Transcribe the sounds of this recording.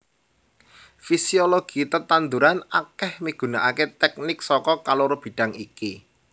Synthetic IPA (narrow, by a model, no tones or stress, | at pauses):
fisioloɡ̥i̤t̪ət̪and̪uɾanakɛhmiɡ̥ṳnaʔaket̪ɛk̚nɪksɔkɔkaloɾob̥i̤ɖ̥a̤ŋiki